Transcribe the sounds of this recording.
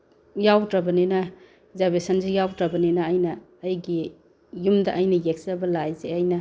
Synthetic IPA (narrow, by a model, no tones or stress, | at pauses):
jawdɾɐbɐninɐ | zabesɐnzijawdɾɐbɐninɐːjnɐː | jɡi | jumdɐʔɐjnɐjek̚sabɐlajzeɐjnɐ